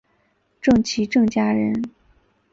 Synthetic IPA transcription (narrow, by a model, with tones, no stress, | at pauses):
ʈ͡ʂɤ˥˩ŋt͡ɕʰi˧˥ʈ͡ʂɤ˥˩ŋt͡ɕja˥ɻə˧˥n